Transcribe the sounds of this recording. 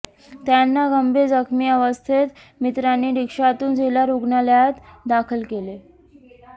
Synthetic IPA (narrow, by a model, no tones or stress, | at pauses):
t̪janːaɡəmbʱed͡zəkʰmiːəʋəst̪ʰet̪ | mit̪ɾanːiːɾikʂat̪uːnd͡zelaɾoɡnaljat̪d̪akʰəlkele